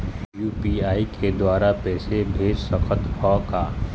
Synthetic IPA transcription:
juːpiaːikʰed̪waːɾapɛːsebʱeːd͡ʒsəkʰət̪hʰɔkaː

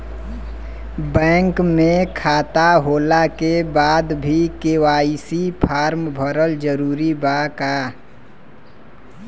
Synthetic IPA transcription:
bɛ̃ːŋkmẽkʰaːt̪aɦoːlakebaːd̪bʱikewaːisipʰaːɾmbʱəɾəld͡ʒəɾuːɾibaka

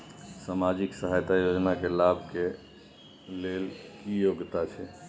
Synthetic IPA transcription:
samad͡ʒiksəɦajt̪ajod͡ʒnakelabʱke | lelkijoɡt̪at͡ʃʰɛ

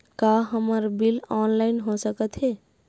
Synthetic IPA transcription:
kaɦəməɾbilɔnlainɦosəkət̪ɦe

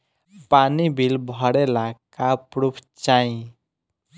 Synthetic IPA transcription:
panibʱilbʱəɽelakapɾupʰt͡ʃaĩ

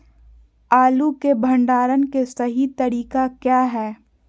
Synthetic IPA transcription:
aːlukebʱə̃ɳɖaːɾənkesɐɦit̪ɐɾiːkakjaːɦɛː

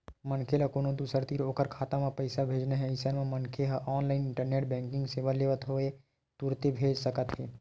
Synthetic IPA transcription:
mənkʰelakoːnod̪usəɾt̪iɾoːkəɾkʰaːt̪ãmãpəɪsabʱeːd͡ʒnaɦɛɪsənmẽmənkʰeɦaʔɔːnlaːɪnɪ̃ɳʈəɾneːʈbɛ̃ːŋkɪ̃ŋɡseːʋaleːʋət̪ɦoe | t̪uɾt̪ebʱeːd͡ʒsəkət̪ɦɛː

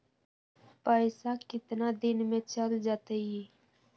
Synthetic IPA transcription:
paɪsakɪt̪nad̪ɪnmẽt͡ʃəld͡ʒat̪eji

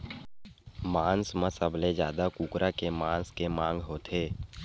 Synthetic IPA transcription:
maːnsmãsəbled͡ʒja̰ːd̪akuːkɾʔakemaːnskemãːŋɡɦoːt̪ʰeː

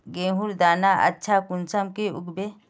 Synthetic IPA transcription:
ɡẽːɦuɾd̪aːnaʔɐ̰tːʃʰakunsɐmkeṵɡbe

